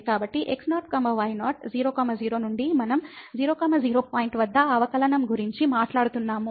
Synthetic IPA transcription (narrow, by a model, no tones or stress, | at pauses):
kaːbɐʈːiʔeksnaːʈ̚kɐmɐʋɐjnaːʈ̚d͡ʒiːɾoːkɐmɐd͡ʒiːɾoːnuɳɖimɐnɐmd͡ʒiːɾoːkɐːmɐd͡ʒiːɾoːpaːjiɳʈʋɐd̪ːɐɐʋɐkɐlɐnɐmɡuɾiɲt͡ʃimaːʈlaːɽut̪unːaːmu